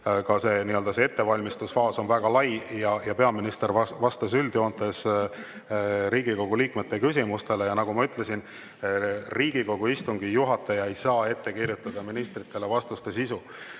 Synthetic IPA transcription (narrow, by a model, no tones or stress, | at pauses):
kɑse̞niø̞ld̪̥ɑsee̞t̪ːe̞vɑlʲmist̪usfɑːso̞nvæɡ̥ɑlɑjjɑjɑpe̞ɑminist̪eɾɑvɑst̪ɑs̬yld̪̥jo̞ːnt̪es | ɾiːɡ̥iko̞ɡ̥uliːkmet̪ːe̞kys̬ʲimust̪e̞le̞jɑnɑɡ̥umɑyt̪ˑle̞sin | riːɡ̥iko̞ɡ̥uist̪uŋɡijuɦɑt̪ːˑɑjɑe̞jsɑːe̞t̪ːe̞kirjut̪ːˑɑd̪̥ɑminist̪rit̪ːˑe̞le̞vɑst̪ust̪e̞sisu